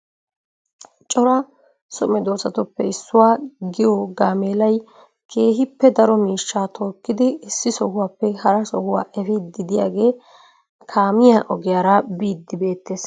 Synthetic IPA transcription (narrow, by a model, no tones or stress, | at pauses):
t͡ʃʼɔɾɐ | sɔmɛd̪o̞ːsɐt̪ʊpːɛɪsːʊwaːɡɪjɔɡaːmeːlɐj | kʰe̞ːɦɪpːɛd̪ɐɾɔmiːʃːaːt̪ʰo̞ːkːɪd̪ɪːsːɪsɔhʊwaːpːɛhɐɾɐsɔhʊwaːʔɛfɪd̪ɪd̪ɪja̰ːɡe̞ː | kʰaːmɪjaʔɔɡɪjaːɾɐbiːd̪ːɪbe̞ːt̪ːeːs